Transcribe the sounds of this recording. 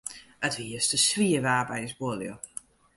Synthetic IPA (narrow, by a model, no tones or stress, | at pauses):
ətviːəstəsviːəvaːbajzboːljo̰